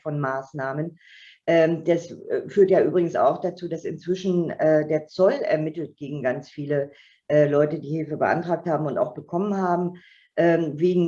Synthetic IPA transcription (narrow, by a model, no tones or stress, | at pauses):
fɔnmaːsnaːmən | ʔɛːd̥asfyːɐtjaːʔyːbʁɪɡŋ̩sa̰ʊxd̥at͡suːdasɪnt͡sv̥ɪʃn̩ɛːdeːɐt͡sɔlɛ̰ɐmɪtl̩t̚ɡ̥eːɡŋ̩ɡant͡sfiːlə | ʔɛːlɔʏtədiːhɪlfəbəʔa̰ntʁ̥aːk̚thaːbm̩ʊnta̰ʊxb̥əkʰɔmənhaːbm̩ | ʔɛːveːɡŋ̩